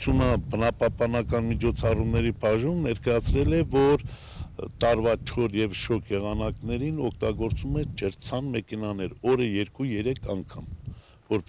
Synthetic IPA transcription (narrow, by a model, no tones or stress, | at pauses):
t͡sʰunəbənɑpɑhpɑnɑkɑnmit͡ʃʰɔt͡sʰɑrumnɛɾipʰɑʒumnɛɾkɑjɑt͡sʰɾɛlɛvɔɾ | t̪ɑɾvɑt͡ʃʰɔɾjɛvʃɔkʰjɛʁɑnɑknɛɾinɔkʰt̪ɑɡɔɾt͡sumɛd͡ʒəɾt͡sʰɑnmɛkʰɛnɑnɛɾɔɾəjɛɾkujɛɾɛkʰɑŋkʰɑm | vɔɾ